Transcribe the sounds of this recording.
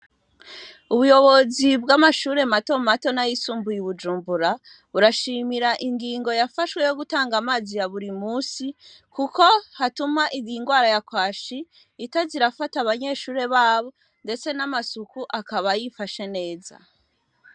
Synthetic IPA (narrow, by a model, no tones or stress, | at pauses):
uβujo̞βo̞zibɡamaʃuːɾe̞mato̞mato̞najisuːmbujiβud͡ʒuːmbuɾa | βuɾaʃiːmiɾaʔiŋɡiːŋɡo̞jafaʃwe̞jo̞ɡutaːŋɡamaːzijaβuɾimuːsi | kuko̞hatumaʔiβiŋɡwaːɾajakwaːʃiː | taziɾafataβaɲe̞ʃuːɾe̞βaːβo̞ | nde̞t͡se̞namasukuʔakaβajifaʃe̞ne̞ːza̰